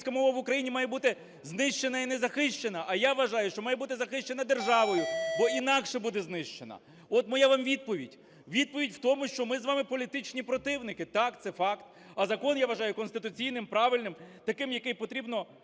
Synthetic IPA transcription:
sʲkɐmɔʋɐʋʊkɾɐjinʲimɑjɛbut̪ɪ | znɪʃt͡ʃe̞nɐinɛzɐxɪʃt͡ʃenɐʔɐjaʋːɐʒɑjʊʃt͡ʃɔmɑjɛbut̪ɪzɐxɪʃt͡ʃe̞nɐd̪erʒɑʋɔjʊbɔinɑkʃɛbud̪ɛznɪʃt͡ʃenɐ̰ | ɔt̪mɔjaʋɑmʋʲid̪̚pɔʋʲidʲ | ʋʲid̪̚pɔʋʲidʲw̥t̪ɔmʊʃt͡ʃɔmɪzʋɑmɪpɔlʲit̪ɪt͡ʃnʲipɾɔt̪ɪwnɪkɪt̪ɑkt̪sɛfɑkt̪ | ɐzɐkɔnjaʋɐʒɑjʊkɔnst̪ɪt̪ʊt͡sʲijnɪmpɾɑʋɪlʲnɪmt̪ɐkɪmjɐkɪjpɔt̪ɾʲibnɔ

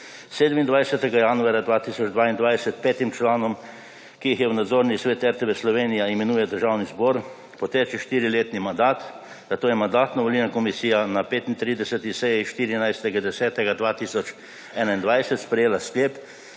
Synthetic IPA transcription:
seːd̪mind̪ʋajsɛt̪ɛɡajanuaːɾjad̪ʋaːt̪isɔd͡ʒd̪ʋaːind̪ʋajsɛt̪pɛːt̪imt͡ʃlaːnɔm | kijixjɛwnad̪zoːɾnisʋeːt̪ɛɾt̪eʋeslɔʋeːnijaimɛnuːjɛd̪əɾʒawnizboːɾ | pɔt̪eːt͡ʃɛʃt̪iːɾileːt̪nimand̪aːt̪ | d̪̥at̪oːjɛmand̪aːt̪nɔʋɔliːnakɔmisiːjanapeːt̪int̪ɾiːd̪ɛsɛt̪isɛjiʃt̪iːɾinajst̪ɛɡad̪ɛsɛːt̪ɛɡad̪ʋaːt̪isɔt͡ʃ | ɛːnaind̪ʋajsɛt̪spɾɛjeːlasklʲeːp

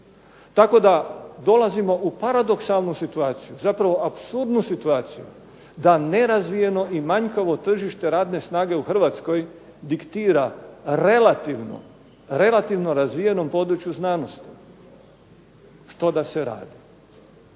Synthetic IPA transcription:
t̪ako̞d̪ad̪o̞lˠazimo̞ʔupaɾad̪o̞ksalˠnusit̪uaːt̪sijuzapɾaʋo̞ʔapsuɾd̪nusit̪uaːt̪siju | d̪ane̞ɾazʋije̞no̞ʔimaɲkaʋo̞t̪r̩ʒiʃt̪e̞ɾaːd̪ne̞snaːɡe̞uxr̩ʋat̪sko̞j | d̪ikt̪iːɾaɾe̞lat̪iʋno̰ | ɾe̞lˠat̪iʋno̞ɾazʋije̞no̞mpo̞d̪ɾut͡ʃjuznaːno̞st̪i̥ | ʃt̪o̞d̪aseɾa̰ːd̪i

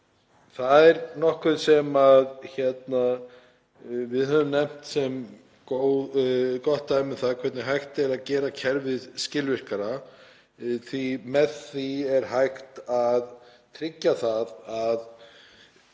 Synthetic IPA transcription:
θaðɛɾnɔhkʏðsɛmaðçɛt̪na | vɪðhɦœvʏmnɛm̥t̪sɛm | ko | kɔht̪ːaːjmɪθaðkʰvɛɾt̪nɪɦajxt̪ɛɾaðcɛːɾacʰɛɾvɪðscɪlvɪr̥kaɾa | θimɛðθiɛɾ̥ɦajxt̪aðt̪ʰɾɪcːaθaðað

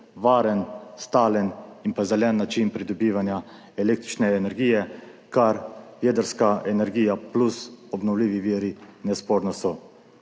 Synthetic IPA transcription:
ʋaːɾənst̪aːləninpazɛlɛnːat͡ʃinpɾid̪ɔbiːʋanja | ɛleːkt̪ɾit͡ʃnɛːnɛɾɡiːjɛkaɾjed̪əɾskaɛnɛɾɡiːjaplusɔbnɔwliːʋiʋiːɾinɛspoːɾnɔsɔ

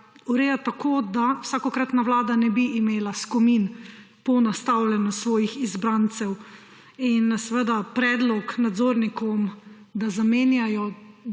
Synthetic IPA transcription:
uɾeːjat̪akʰoːd̪awsakɔkɾat̪naʋlaːd̪anɛbiʔːmeːlaskɔmin | pɔnast̪awlʲɛnusʋɔːjixizbɾant̪sɛw | insɛʋəd̪apɾɛːd̪lɔknad̪zoːɾnikɔm | d̪azameːnjajɔ

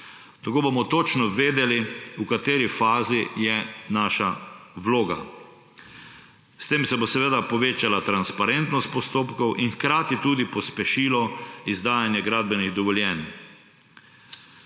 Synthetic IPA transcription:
t̪akoːbomɔt̪ot͡ʃnɔʋeːd̪ɛliukat̪eːɾifaːzijɛnaːʃaʋloːɡa̰ | st̪eːmsɛbosɛʋeːd̪apɔʋeːt͡ʃalat̪ɾanspaɾent̪nɔst̪̚pɔst̪oːpkɔwʔinxkɾaːt̪it̪uːd̪ipɔspɛʃiːlɔizd̪aːjanjɛɡɾaːd̪̚bɛniɣd̪ɔʋɔljɛn

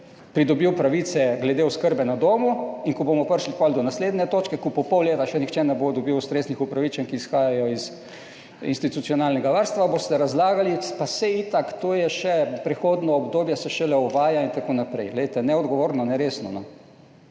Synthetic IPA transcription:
pɾid̪ɔbiwpɾaʋiːt̪sɛɡlɛd̪eʊskəɾbɛnad̪oːmuiŋkɔbomɔpəɾʃlipɔld̪ɔnasleːd̪nɛt̪oːt͡ʃkɛkɔpɔpɔwleːt̪aʃɛnixt͡ʃɛnɛbod̪ɔbiwst̪ɾeːznixupɾaʋit͡ʃɛnkiːsxaːjajɔiz | ḭnst̪it̪utsijɔnaːlnɛɡaʋaɾst̪ʋabost̪ɛɾazlaːɡalipasɛit̪akt̪oːjɛʃɛpɾɛxoːd̪nɔːbd̪oːbjɛsɛʃɛlɛuʋaːjaint̪akoːnapɾɛjɡlɛejt̪ɛnɛɔd̪ɡɔʋoːɾnɔnɛɾeːsnɔnɔ

